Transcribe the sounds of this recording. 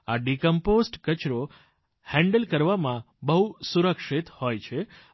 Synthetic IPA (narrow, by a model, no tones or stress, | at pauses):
aɖikəmposʈkət͡ʃɾo | hɛ̃ɳɖəlkəɾʋamã | bəɦusuɾəkʃit̪hojt͡ʃʰe